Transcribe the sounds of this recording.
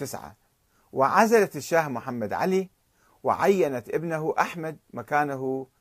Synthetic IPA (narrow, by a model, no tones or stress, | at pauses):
ɪsʕa̰ | wɪʕazalat̪ɪʃːaːhmʊħamːad̪ʕa̰li | wɪ̰ʕajːanat̪ʔɪbnaɦuʔaħmad̪̚makaːnaɦu